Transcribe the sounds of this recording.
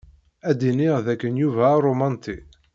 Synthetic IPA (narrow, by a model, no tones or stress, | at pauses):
æd̪inɪʁðækːənjuvæːɾomɑnt̪i